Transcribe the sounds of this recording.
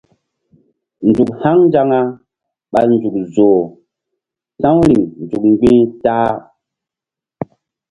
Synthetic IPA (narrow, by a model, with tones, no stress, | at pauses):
nd͡zu˨k̚ha˦ŋnd͡ʒa˦ŋa˦ | ɓa̰˨nd͡zu˨k̚zoː˨ | sã˦wɾi˨ŋnd͡zu˨k̚ɡ͡bĩː˦taː˦